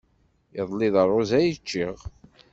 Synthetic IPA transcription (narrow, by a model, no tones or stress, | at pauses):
əðˤlɪðˤərˤːozæjət͡ʃːiʁ